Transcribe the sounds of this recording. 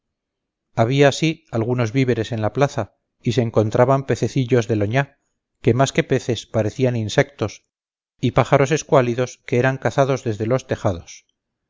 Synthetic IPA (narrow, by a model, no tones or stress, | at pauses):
aβ̞iaːsialɣ̞uno̞zβiβe̞ɾe̞se̞nlaplaθa | ise̞ːŋko̞nt̪ɾʔaβampe̞θe̞θiʎo̞zðe̞lo̞ɲa | ke̞maske̞pe̞θe̞spaɾe̞θianinsek̚t̪o̞s | ipaχaɾo̞se̞skwaliðo̞skeeɾaŋkaθaðo̞zðe̞zðe̞lo̞st̪e̞xaðo̞s